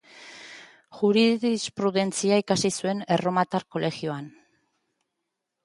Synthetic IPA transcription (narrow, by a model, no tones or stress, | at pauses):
ʝuɾiðispɾuðe̞nt͡siaikasisue̞ne̞ro̞mat̪aɾko̞le̞xioan